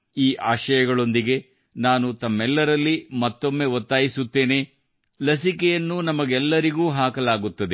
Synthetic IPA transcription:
iːʔaːʃɐjɐɡɐɭo̞nd̪iɡe̞ | naːnut̪ɐmːɛlːɐɾɐlːimɐt̪ːo̞mːe̞ʋot̪ːaːjisut̪ːe̞ːne̞ | lɐsikɛjɐnːunɐmɐɡɛlːɐɾiɡuːɦaːkɐlaːɡut̪ːɐd̪e

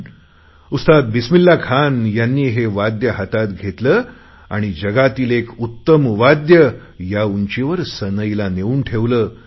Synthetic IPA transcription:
ust̪ad̪̚bismilːakʰanjanːiːɦeʋad̪jəɦət̪at̪ɡʱet̪ləː | a̰ɽ̃id͡ʑəɡat̪iːlekut̪ːəmʋad̪jə | jauɲt͡ɕeʋəɾsənəjilaneʋuːnʈʰeʋləː

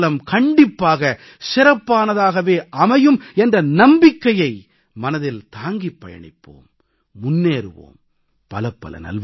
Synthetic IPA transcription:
lɐmkɐɳɖɪpːaːɣɐ | sɪɾɐpːaːnɐðaːɣɐʋeːʔɐmɐjɯmɛndrɐnɐmbɪkːɐjɐɪ | mɐnɐðɪlt̪aːŋɡipːɐjɐ̰ɳɪ̰pːo̰ːmː | ʊnːeːɾɯ̰ʋo̰ːm | pɐlɐpːɐ̰lɐ̰nɐ̰lʋ

